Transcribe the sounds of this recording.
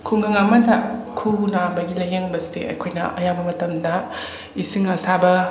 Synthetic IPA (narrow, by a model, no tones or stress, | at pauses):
kʰuŋɡɐŋɐmɐtʰakʰunabɐɡilɐjeŋbɐsideɐ̰jkʰojnɐ̰ʔɐjabɐmɐtɐmdɐ | isiŋɐsʰabɐ